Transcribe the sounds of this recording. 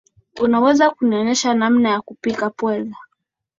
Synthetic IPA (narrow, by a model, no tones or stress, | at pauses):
unawɛzakuniɔnɛʃanam̩najakupikapwɛla